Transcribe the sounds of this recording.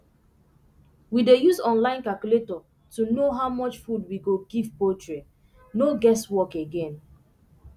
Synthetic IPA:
widejusɔ̃nlãɪ̃nkalkjuletɔ | tunoɦaʊmɔt͡ʃfud̚wiɡoɡivpotɹe | noɡɛswɔkeɡɛ̃n

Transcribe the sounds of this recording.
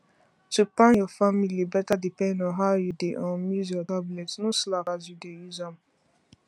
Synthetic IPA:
tupãnjɔfamilibɛtadipɛ̃ndɔ̃nɦaʊjudeʔɔ̃nmuzɔtablɛtsnoslakazjudejuzam

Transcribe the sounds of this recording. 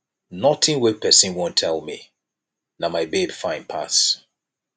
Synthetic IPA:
nɔtɪ̃nwɛpʰɛsĩnwõntʰɛlˠmi | namaɪbebfãɪ̃npʰa̰s

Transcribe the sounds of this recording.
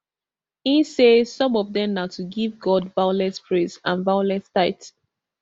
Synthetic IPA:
ĩnsesɔ̃mɔvðɛ̃mnatʰuɡivɡɔdvaʊlɛ̃spʰɹezã̰nvaʊlɛ̃staɪt

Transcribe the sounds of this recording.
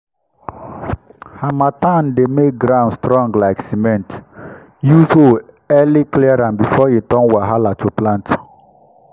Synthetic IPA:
hamatãndemek̚ɡɾãʊ̃nstɾɔ̃ŋɡlaɪksimɛ̃nt | juso | ɛlikliaɾãnbifɔetɔ̃nwɛɦalatʰuplãnt

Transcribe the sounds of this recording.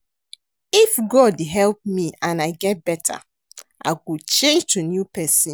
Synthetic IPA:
ifɡɔdɦɛlp̚miãnaɪɡɛt̚b̥ɛtʰa̰ | ʔa̰ɪkut͡ʃẽnd͡ʒtunjupɛsĩ

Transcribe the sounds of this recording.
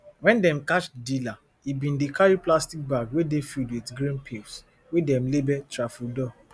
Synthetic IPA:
wɛ̃ndɛ̃mkat͡ʃdila | ibĩndikaɹiplastik̚baɡwedefidwitɡɾĩnpʰels | wedɛmlebɛtɾafudɔ

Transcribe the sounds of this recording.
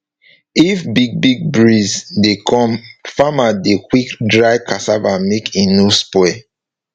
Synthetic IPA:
ifbiɡ̚biɡ̚bɹizdekʰɔ̃mfamadekwikdɹaɪkʰasavamekĩnospɛ

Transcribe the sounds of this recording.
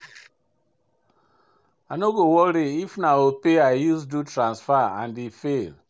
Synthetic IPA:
anoɡowɔɾiifnaopeajusdutɹãnsfaã̰ndifel

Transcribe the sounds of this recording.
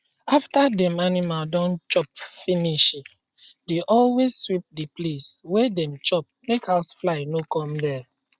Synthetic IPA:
aftadɛ̃manimaldɔ̃nt͡ʃɔpfiniʃi | deʔɔlwezswip̚dipleswedɛ̃mt͡ʃɔp̚mekhaʊsflaɪnokɔ̃mdɛ

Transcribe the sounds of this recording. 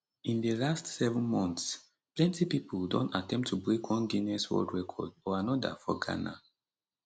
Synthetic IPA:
ĩndəlastsɛvə̃nmɔ̃nθs | plɛ̃ntipipʰuldɔ̃ntatʰɛ̃mp̚tʰubɹekʰwɔ̃nɡinɛswɔ̰ldɹɛkʰɔ̰dɔanɔda̰fɔ̰ɡa̰na̰

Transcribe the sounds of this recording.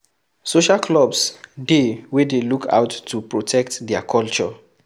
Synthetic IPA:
soʃalklɔbsdewedelukʰa̰wtːupɹotʰɛk̚tdɛakʰɔlt͡ʃɔ

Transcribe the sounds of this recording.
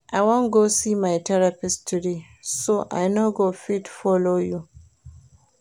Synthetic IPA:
ʔaɪwɔ̃nɡosimajtʰɛɹapɪstʰudi | soʔa̰jnoɡofitfɔloju

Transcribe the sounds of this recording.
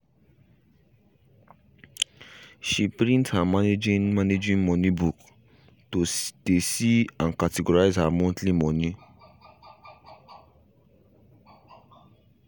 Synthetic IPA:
ʃipɾĩnthamaned͡ʒĩnmaned͡ʒĩnmɔ̃nĩbuk | tosd̥esiãnkateɡoɹaɪzhamɔ̃ntlĩmɔ̃nĩ

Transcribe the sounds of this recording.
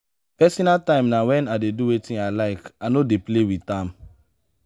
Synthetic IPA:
pɛsɔnaltãɪ̃mnawɛ̃nadeduwetĩnalaɪkanodeplewitãm

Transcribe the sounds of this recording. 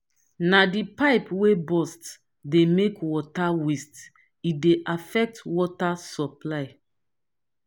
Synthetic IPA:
nadipaɪpwebɔsts | demekwɔtawist | ideʔafɛk̚twɔtasɔplaɪ

